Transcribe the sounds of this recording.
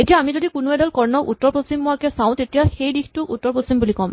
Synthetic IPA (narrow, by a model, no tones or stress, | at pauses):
etijaːmizodikunuɛdɔlkɔɹnɔutːɔɹposimːʊakɛsãʊ̃tetijaxejdixtʊkutːɔɹposimbulikɔm